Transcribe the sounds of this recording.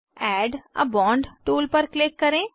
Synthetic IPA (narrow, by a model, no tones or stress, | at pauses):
ɛːɖə̰bɔ̃ːɳɖʈuːlpəɾklɪkːəɾẽː